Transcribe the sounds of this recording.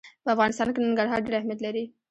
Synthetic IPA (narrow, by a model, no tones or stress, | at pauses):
pəafɣɑnɪst̪ɑnkenəŋɡaɽɦɑɾɖeɾahmijat̪laɾi